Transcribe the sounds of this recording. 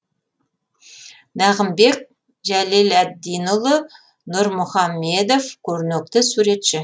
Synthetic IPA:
næʁəmbe̞k̚ | ʒælilæd̪ːijnʊlˠə | nʊɾmʊχɑmːe̞d̪ofkʲʰɵɾnek̚t̪ɪsuɾe̞t̪ʃɪ

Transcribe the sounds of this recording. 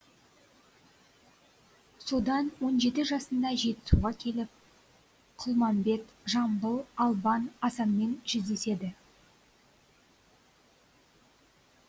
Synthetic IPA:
so̞d̪ɑnwo̞nʒe̞t̪ɪʒɑsənd̪ɑʒe̞t̪ɪ̥suʁɑkʲʰe̞lɪp̚ | qʰʊlˠmɑmbe̞t̪ʒɑmbəlˠɑlˠbɑnɑsɑnme̞nʒ̥ʏzd̪e̞se̞d̪ɪ

